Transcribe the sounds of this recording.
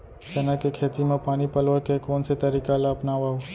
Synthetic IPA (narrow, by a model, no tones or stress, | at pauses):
t͡ʃɐnakekʰeːt̪imẽpaːnipəlʋəkekɔːnset̪ɐɾiːkalaɐpnaːʋaɦoː